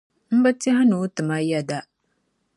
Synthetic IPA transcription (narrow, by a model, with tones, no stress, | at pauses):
m̩˦ba˦ti˦ha˦nu˨˦tɨ˨ma˦jɛ˦da˦